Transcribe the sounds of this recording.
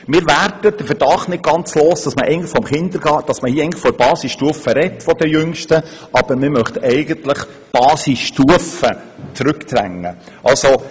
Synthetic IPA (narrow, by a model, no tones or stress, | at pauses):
mɪːɾværd̥əd̥əfəɾd̥ɑχtnɪt̚ɡ̥ɑnt͡sloːsd̥ɑsməʔɛɪɡnlɪχfɔmχɪnd̪əɾɡɑd̥ɑsməhiːɛɪŋnləχfɔɾbɑːsisʃtuəfəɾɛtːfɔd̪əjʏŋʃtəʔɑb̥əɾmɪmœχtɛɪɡəntləχ | b̥ɑːsisʃtuəfət͡sɾʉkt̪ɾæ̰ŋːə | ʔɑlso